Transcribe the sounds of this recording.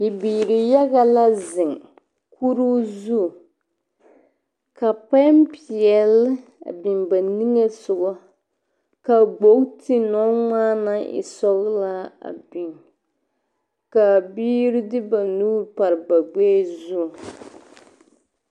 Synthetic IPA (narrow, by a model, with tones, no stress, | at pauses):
ɪ˨biː˨ɾɪ˨ja˦ɣa˦la˦zɪ˨ŋ | ku˦ɾu˦zu˦˨ | ka˨pa˦mpi˨ɛ˨lɪ˦a̰˨bi˨ŋba˨ni˦ŋe˦sʊ˨ɡɔ˦ | ka˨ɡ͡bo˨˦kti˦nɔ˦ŋaː˦na˦ɪ̰˨sɔ˦ɣla˦a̰˨bi˨ŋ | ka˨biː˦ɾɪ˦dɪ˦ba˨nuː˦ɾpa˨ɾɨ˨ba˨ɡ͡be˦zu˦˨